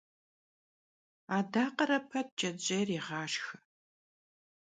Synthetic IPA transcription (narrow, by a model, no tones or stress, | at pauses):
aːdaːqəɾɐpʰɐt̚t͡ʃʼɐd͡ʑʼeːriːʁɑːʃxɨ